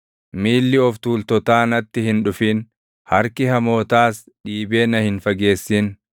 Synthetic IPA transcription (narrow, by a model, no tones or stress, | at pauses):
miːlːɪɔft̪uːlt̪ɔt̪aːnɐt̪ːɪhɪnᶑʊfiːn | hɐɾkɪhɐmo̞ːt̪aːs | ᶑiːbe̞ːnɐhɪnfɐɡe̞ːsːɪn